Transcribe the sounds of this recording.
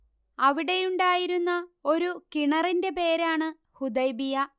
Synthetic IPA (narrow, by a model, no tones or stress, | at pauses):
ɐʋiɽe̞juɳɖaːjiɾunːɐo̞ɾukiɳɐrinde̞pe̞ːɾaːɳɨ | hud̪ɐjbijɐ